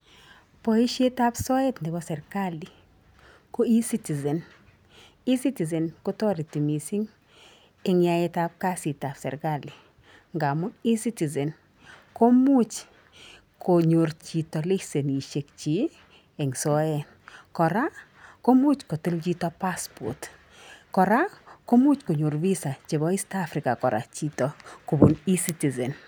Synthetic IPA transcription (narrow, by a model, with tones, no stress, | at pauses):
pɔ˨i˦ʃe˦ta˦psɔ˦e˦tndɪ˨bɔ˦sɛ˨ɾka˦li˨ | ko˦i˦si˦ti˨ze˨n | i˦si˦ti˨ze˨nko˦tɔ˦ɾi˨ti˨mi˨si˦ŋ | ɪ˦ŋja˦je˦ta˦p̚ka˦si˨ta˨psɛ̰˨ɾka˦˨li˨ | ŋɡa˨mʊ˦i˦si˦ti˨ze˨n | ko˦mu˦t͡ʃ | ko˨ɲo˨ɾrt͡ʃi˨tɔ˨li˦se˨ni˨ʃe˨kt͡ʃi˨˦ | e˨ŋsɔ˦ɛ˨n | kɔ˨ɾa˦ | ko˦mu˦t͡ʃko˨ti˦lt͡ʃi˦tɔ˦pa˦spɔ̰˨t | kɔ˨ɾa˦ko˦mu˦t͡ʃko˨ɲo˨ɾvi˦sa˨t͡ʃe˨bɔ˦i˦stafɾɪ˨ka˨kɔ˨ɾa̰˨t͡ʃi˦tɔ˨ku˨bu˨ni˦si˦ti˨zɛ˨n